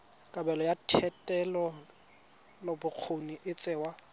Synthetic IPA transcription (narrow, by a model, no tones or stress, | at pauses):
kʼabɛlɔjatʰɛtʼɛlɔ | lɔbʊq͡χʰoniʔɪt͡sʼɛːwa